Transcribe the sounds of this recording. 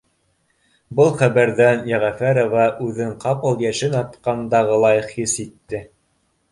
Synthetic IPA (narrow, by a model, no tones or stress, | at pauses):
bɤlˠχæβæɾðænjæʁæfæɾovɑʔʉðɘɴqɑpɤ̆lˠjæʃɘnɑt̪qɑnd̪ɑʁɤlˠɑjɤχisit̪ːɘ